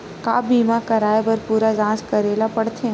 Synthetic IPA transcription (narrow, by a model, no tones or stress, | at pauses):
kaːbiːmakɐɾaːebɐɾpuːɾad͡ʒãːskɐɾeːlapɐɽt̪ʰẽ